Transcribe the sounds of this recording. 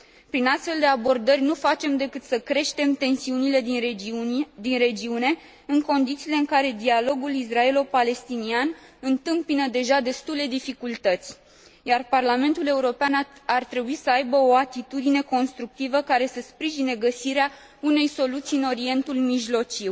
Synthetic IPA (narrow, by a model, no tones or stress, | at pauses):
pɾinast̪fe̞ld̪e̞abo̞rd̪ərʲnufat͡ʃe̞md̪ekɨt̪səkɾe̞ʃt̪e̞mt̪e̞nsiunile̞ | d̪inre̞d͡ʒiune̞ | ɨŋko̞nd̪it̪siːle̞ɨŋkaɾe̞d̪ialo̞ɡulis̬rae̞lopale̞st̪inianɨnt̪ɨmpinəd̪e̞ʒad̪e̞st̪ule̞d̪ifikult̪ət̪sʲ | jarparlame̞nt̪ule̞uɾo̞peanart̪ɾe̞buisəajbəo̞at̪it̪ud̪ine̞ko̞nst̪ɾuk̚t̪ivəkaɾe̞səspɾiʒine̞ɡəsiɾea | une̞jso̞lut̪siɨno̞ɾie̞nt̪ulmiʒlo̞t͡ʃiw